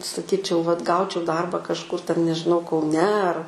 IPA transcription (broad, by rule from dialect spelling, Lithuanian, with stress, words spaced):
sɐˈkʲiːt͡ʃʲɛʊ ʋɐt ˈɡɐʊt͡ʃʲɛʊ ˈdɐrbɐ kɐʃˈkʊr tʲɛn nʲɛʒʲɪˈnɐʊ kɐʊˈnʲɛ ɐr